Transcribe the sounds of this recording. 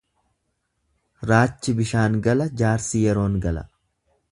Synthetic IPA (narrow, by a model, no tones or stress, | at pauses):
ɾaːt͡ʃːɪbɪʃaːŋɡɐlɐd͡ʒaːɾsɪjɛɾo̞ːŋɡɐlɐ̰